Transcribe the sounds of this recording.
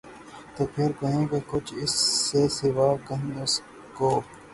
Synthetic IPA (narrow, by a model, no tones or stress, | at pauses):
t̪oːpʰɪɾɡɐɦẽːkekʊt͡ʃʰɪsːesɪʋaːkəɦes | koː